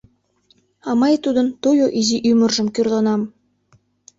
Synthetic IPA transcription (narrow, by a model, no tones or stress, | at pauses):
ɑmɑjt̪ud̪ə̆nt̪ojoʔiziʔymə̆rʒə̆mkyrlɑnɑm